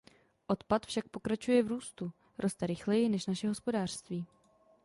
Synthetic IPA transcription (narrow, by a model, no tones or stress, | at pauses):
ʔo̞t̪pat̪fʃak̚po̞kɾat͡ʃujɛvɾuːst̪u | ɾʔo̞st̪ɛɾɪxlɛjɪnɛʃnaʃɛɦo̞spo̞daːr̝̥st̪viː